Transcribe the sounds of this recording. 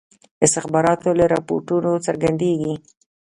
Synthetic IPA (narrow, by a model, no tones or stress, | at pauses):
ɪst̪ɪxbɑɾɑt̪oləɾɑpo̰ɾʈunot͡səɾɡand̪eɡi